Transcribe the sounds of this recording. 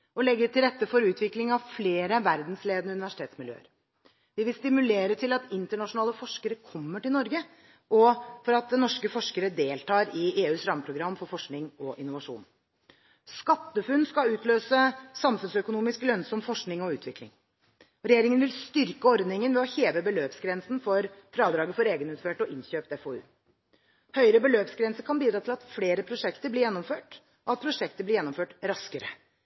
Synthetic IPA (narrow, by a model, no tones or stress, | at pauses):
ɔlɛɡːəʈʰɪlɾɛt̪ːəfɔɾʉːt̪ʰʋɪklɪŋɑʋfleːɾəʋæɾd̪nsleːd̪ənəʉnɪʋæʂɪ̥t̪ʰeːt̪smɪljø̰ːə̰ɾ | ʋɪʋɪlst̪ɪmʉleːɾət̪ʰɪlɑt̪ɪnt̪əɳɑʂʊnɑːləfɔʂkəɾəkʰɔmːəʈɪlnɔɾɡə | ʔɔfɔɾɑt̪̚d̪ɛnɔʂkəfɔʂkəɾəd̪eːlt̪ʰɑːɾɪeːʉːsɾɑməpʰɾʊɡɾɑmːfɔɾfɔʂknɪŋɔʔɪnːʊʋɑʂṵːn | skɑt̪ːəfʉnːskɑʉːt̪ʰløːsəsɑmfʉnsœkʊnuːmɪsklœnsɔmfɔʂknɪŋɔʉːt̪ʰʋɪklɪ̰ŋ | ɾɛjeːɾɪŋənʋɪlst̪ʏɾkəɔɾd̪nɪŋənʋɛɔçeːʋəbəløːpsɡɾɛnsn̩fɔɾfɾɑːd̪ɾɑːɡəfɔɾeːɡənʉːt̪føːʈɔʔɪnçøːp̚t̪ɛfoːʉ̰ː | hœʏɾəbəløːpsɡɾɛnsəkʰɑnbiːd̪ɾɑːt̪ʰɪlɑt̪fleːɾəpʰɾʊʂɛkt̪əblɪɾjɛnːɔmføːʈ | ɔɑt̪̚pʰɾʊʂɛkt̪əblɪɾjɛnːʊmføːʈɾɑskəɾə